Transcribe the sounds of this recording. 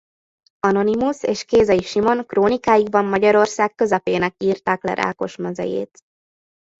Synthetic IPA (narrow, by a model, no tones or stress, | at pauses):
ɒno̞nimuseːʃkeːzɒjiʃimo̞ŋkroːnikaːjiɡ̚bɒmːɒɟɒɾo̞rsaːkkø̞zɛpeːnɛkiːrt̪aːklɛ̰ɾʔa̰ːko̞ʃmɛzɛ̰jḛːt̪